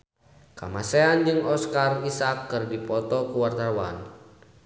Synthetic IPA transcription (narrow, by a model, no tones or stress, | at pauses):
ka̰masɛand͡ʒɨŋɔskarisakːɨrdipɔt̪ɔkuwart̪awan